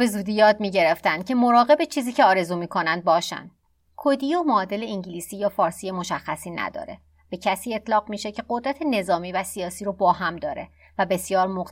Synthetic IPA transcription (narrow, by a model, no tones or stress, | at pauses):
be̞zuːd̪iːjɒːd̪miːɟe̞ɾe̞ft̪ænd̪̥̚cʰe̞mo̞ɾɒːɣe̞bet͡ʃʰiːziːcʰe̞ɒːɾe̞zuːmiːkʰo̞nænd̪̚bɒːʃæ̰nd̪̥ | kʰod̪iːjomɒːd̪e̞le̞iɲɟiliːsiːjɒːfɒːɾsiːjemo̞ʃæxːæsiːnæ̰d̪ɒ̰ːɾe̞ | b̥e̞cʰæsiːe̞t̪ʰlɒːɣmiːʃecʰe̞ɢo̞d̪ɾæt̪ʰe̞ne̞zɒːmiːvæsijɒːsiːɾobɒːɦæmd̪ɒːɾe̞ | væbe̞sjɒːɾmoq